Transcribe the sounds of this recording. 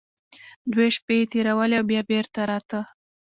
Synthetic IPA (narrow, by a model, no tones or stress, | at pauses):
d̪weʃpet̪eɾawəleawbjɑbeɾt̪aɾɑt̪ə